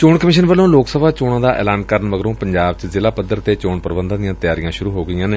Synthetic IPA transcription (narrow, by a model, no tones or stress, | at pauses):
t͡ʃoːɳkəmɪːʃ̬ənʋəlõːloːksəbʱaːt͡ʃoːɽãːd̪aːʔɛ̰ːlaːnkəɾəɳʋəɡɾõːpəɲd͡ʒaːbt͡ʃzɪlaːpəd̪ːəɾt̪eːt͡ʃoːɳpəɾbə̃nd̪ãːd̪ijãːt̪jaːɾijãːʃʊɾuːɦoːɡɪjãːneː